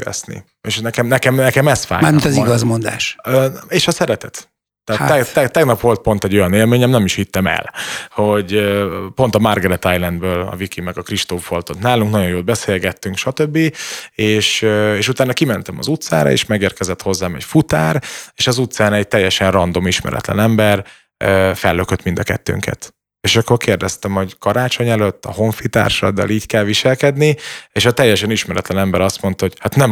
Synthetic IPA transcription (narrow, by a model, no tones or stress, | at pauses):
ɛ̰snḭ | eːʃnɛkɛmnɛkɛmnɛkɛmɛst̪fa̰ːmamit̪ɒziɡɒzmond̪a̰ːʃøeːʃɒsɛɾɛt̪ɛt̪ | t̪ːaːt̪ːɛɛt̪ːɛɡnɒpʋo̞lt̪̚po̞n̪t̪ɛɟo̞jɒneːlmeːɲɛmnɛmiʃhit̪ːɛmɛ̰lho̞ɟøpo̞n̪t̪ɒmarɡɛɾɛt̪ajlɛnd̪bøːlɒ̰vikimɛɡɒkriʃt̪oːfo̞lt̪o̞t̪naːluŋknɒɟo̞joːd̪bɛseːlɡɛt̪ːyŋkʃɒt̪øbːieːʃøeːʃut̪aːnːɒkimɛnt̪ɛmɒ̰zut̪sa̰ːɾɒ̰ḛːʃmɛɡeːrkɛzɛt̪ho̞zːaːmɛ̰cfut̪aːɾeːʃɒzut̪saːnɛɟ̚t̪ɛjːɛʃɛnrɒnd̪o̞miʃmɛ̰ɾɛ̰t̪lɛ̰nɛmbɛr | øfɛlːøkøt̪mind̪ɒkɛt̪ːø̰ːŋkʰɛ̰t̪ | eːʃɒkːorkeːrd̪ɛst̪ɛmho̞ɟkɒɾaːt͡ʃo̞ɲɛløt̪ːɒ̰ho̞ɱfit̪a̰ːrʃɒ̰d̪ːɒ̰liːɟkɛlʋiʃɛlkɛd̪nieːʃɒt̪ɛjːɛʃɛniʃmɛɾɛt̪lɛnɛmbɛɾɒst̪mo̞nt̪ɒho̞ɟhat̪nɛm